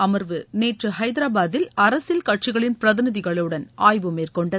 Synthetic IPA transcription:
ɐmɐɾʋɯneːʈrɯhɐɪðɪɾaːbaːðɪlɐɾɐsɪlkɐʈt͡ʃɪɣɐɭɪnpɪɾɐðɪnɪðɪɣɐɭɯɽɐnʔaːjʋɯmeːrkɔɳɖɐ

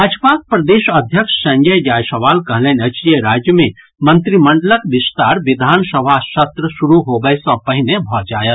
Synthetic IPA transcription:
ɾaːd͡ʒpaːk̚pɾɐd̪eːʃɐd̪ʱjəkʃsɐ̃ŋd͡ʒəjd͡ʒaːjsɐʋaːlkɐɦleːnɐt͡ʃijeɾaːd͡ʒjəmẽ | mə̃nt̪ɾimə̃ɳɖələkʋɪst̪aːɾʋɪd̪ʱaːnsɐʋaːʃɐt̪ɾəʃuɾuɦoːbəjsɔ̃pɐɦɪnebʱɔd͡ʒaːjə

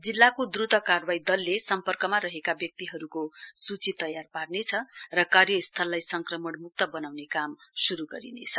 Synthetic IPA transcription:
d͡zilːakod̪rut̪ʌkarbaid̪ʌlːesʌmpʌrkʌmaɾʌɦekabjʌk̚t̪iɦʌɾukosut͡sit̪ʌjarparnet͡sʰʌrʌkarjʌist̪ʰʌlːajsʌŋkrʌmʌɳmuk̚t̪ʌbʌnawnekamsuɾuɡʌ̰ɾḭnḛt͡sʰʌ

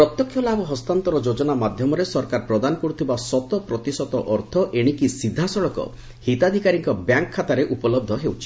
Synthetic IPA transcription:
pɾɔt̪jɔkʰːjɔlabɔɦɔst̪ant̪ɔɾɔd͡ʒod͡ʒɔnamad̪ʱjɔmɔɾesɔɾkaɾpɾɔd̪anɔkɔɽut̪ʰibasɔt̪ɔpɾɔt̪isɔt̪ɔʔɔɾt̪ʰɔʔeɽ̃ikisid̪ʱːasɔɭɔkɔ̰ | hit̪ad̪ʱikaɾiŋkɔbjaŋkʰːat̪aɾeʔupɔlɔb̚d̪ʱɔɦewt͡ʃʰi̥

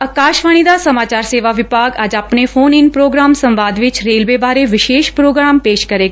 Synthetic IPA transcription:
ɐkaːʃʋaːɽ̃id̪asəmaːt͡ʃaːɾseːʋaʋɪbʱaːɡaːd͡ʒaːpnefoːnɪnpɾoːɡɾaːmsɐ̃mʋaːd̪ʋɪt͡ʃɾeːlʋeʋaːɾeʋɪʃeːʃpɾoːɡɾaːmpeːʃkɐɾeɡa

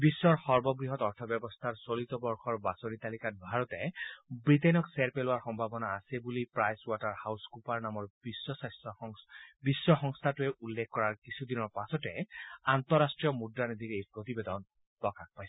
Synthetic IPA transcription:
bisːɔɹxɔɹbɔɡɹiɦɔtɔɹt̪ʰɔbjɛbɔst̪ʰaɹsolit̪ɔbɔɹxɔɹbasoɹit̪alikat̚bʱaɹɔtɛbɹitenɔksɛɹpelʊwaɹxɔmbʱabɔnaːsɛbulipɹajswataɹhawskupaɹnamɔɹbisːɔsajsɔbisːɔxɔŋst̪ʰatʊɛʔulːɛkʰːɔɹaɹkisʰud̪inɔɹpasɔtɛant̪ɔɹastɹiɔmudaned̪iɹejpɹot̪ibed̪ɔn | pɔkak̚pajsɛ̥

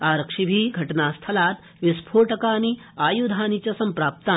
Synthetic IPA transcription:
aːɾəkʂibʱiːɡʱɐʈnast̪ʰɐlaːt̪ | ʋispʰoːʈɐkaːni | aːjud̪ʱaːnit͡ɕɐsɐmpɾaːp̚t̪aː

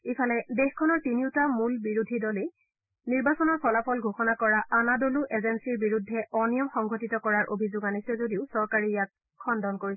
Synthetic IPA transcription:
ipʰalɛdexkʰɔnɔɹtiniʊtamulbiɹudʱidɔle | niɹbasɔnɔɹpʰɔlapʰɔlɡʱoxɔnakɔɹaʔanadoluʔezensiɹbiɹudʱːɛʔɔnijɔmxɔŋɡʱotitɔkɔɹaɹʔo̰bʱizʊɡanisɛzodiʊsɔɹkaɹijat̚ | kʰɔndɔnkoɹisɛ

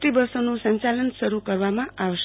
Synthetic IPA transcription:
ʈibəɾsonũsəɲt͡ʃalənsəɾukəɾʋamãʔaʋəʃ

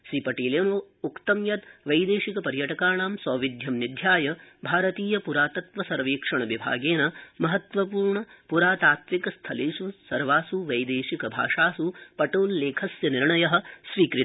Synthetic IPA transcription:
ʃiːpɐʈiːljɐmɐ | ukt̪ɐmjɐt̪ʋɐjd̪eːʃikɐpɐɾjɐʈɐkaːɳaːmsɐːʋid̪ʱjɐmnid̪ʱjaːjɐbʱaːɾɐt̪iːjɐpuɾaːt̪ɐt̪ʋɐsɐɾʋiːkʂɐɳɐʋibʱa̰ːɡeːnɐmɐɦɐt̪ʋɐpuːɾɳɐpuɾaːt̪aːt̪ʋikɐst̪ʰɐleːsusɐɾʋaːsuʋɐjd̪eːʃikɐbʱa̰ːʂaːsupɐʈoːlːeːkʰɐsjɐniɾɳɐjɐɦɐ̆sʋiːkɾit̪

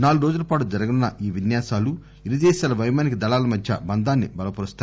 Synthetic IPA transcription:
naːluɾo̞ːd͡ʒulɐpaːʈud͡ʒɐɾɐɡɐnunːɐʔiːʋinjaːsaːlu | iɾid̪ɛːʃaːlɐʋɐjmaːnik̬id̪ɐlaːlɐmɐd̪ʱjɐ̰bɐnd̪ʱaːnːibɐlɐpɐɾust̪a

